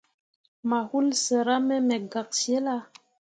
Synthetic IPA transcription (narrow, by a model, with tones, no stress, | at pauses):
ma˨hu˦lsə˨ɾa˦mɛ˦mɛ˨ɡa˨k̚sje˦la˦